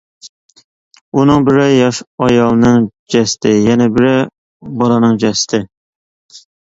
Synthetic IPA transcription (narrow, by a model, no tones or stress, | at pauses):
unɨŋbɪɾɪjɑʃɑjɑlˠnɨŋd͡ʒɛst̪ʰɪjɛnɛbɪɾɪ | bɑlˠɑnɨŋd͡ʒɛsɪ̥t̪ʰɪ